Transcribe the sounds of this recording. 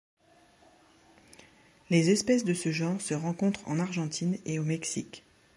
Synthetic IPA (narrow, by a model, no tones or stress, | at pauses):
lezɛspɛsd̪əsəʒɑ̃ʁsəʁɑ̃kɔ̃t̪χɑ̰̃naʁʒɑ̃t̪ʰineomɛksik